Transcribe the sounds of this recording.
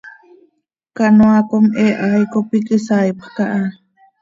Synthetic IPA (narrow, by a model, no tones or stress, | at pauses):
kanoakomʔeʔajkopikɨsajpkaʔa